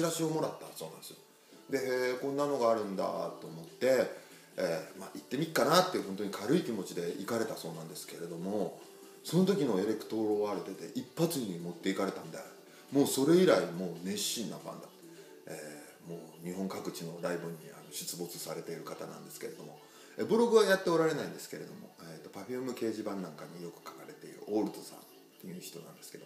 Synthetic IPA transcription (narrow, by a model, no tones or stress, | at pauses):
iɾaɕio̞mo̞ɾat̪ːaso̞ːnã̰nd̪sɨjo | d̪e̞kõ̞nːano̞ɡaːɾɯ̟̃nd̪a̰t̪ːo̞ːmo̞t̪ːe̞ | emaʔit̪ːe̞mʲiikːanat̪ːeɯɦont̪oɲ̟ikʰaɾɯ̟ikʲimo̞t͡ɕid̪e̞ikaɾe̞t̪aso̞ːnãnd̪e̞sɨ̥ke̞ɾe̞d̪o̞mo̞ | so̞no̞t̪o̞kʲino̞e̞ɾe̞kɯ̟̥t̪o̞ɾoaɾet̪e̞t̪e̞̰ʔipːat͡sɨɲ̟imo̞t̪ːe̞ikaɾe̞t̪ãnd̪e | mo̞ːso̞ɾe̞iɾaimo̞ːnẽ̞ɕĩnːaɸã̰nd̪at̪ːe̥ | eː | moːɲ̟iɦõ̞ŋkakɯ̟t͡ɕino̞ɾaibɯ̟̃ɲ̟ːia̰no̞ɕi̥t͡sɨbo̞t͡sɨ̥saɾe̞t̪e̞iɾɯ̟kat̪a̰nã̰nd̪e̞sɨ̥ke̞ɾe̞d̪o̞mo̞ | ebɯ̟ɾo̞ɡɯ̟βajat̪ːe̞oɾaɾe̞naĩnd̪e̞sɨ̥ke̞ɾe̞d̪o̞mo̞̰et̪ːo̞paɸʲiɯmɯ̟ke̞ːʑibãnːãŋkaɲ̟ijo̞kɯ̟̥kḁkaɾe̞t̪e̞iɾɯ̟̰ʔo̞ːɾɯ̟t̪osã̰n | t̪ːejɯ̟ːçi̥t̪o̞nã̰nd̪e̞ske̞d̪o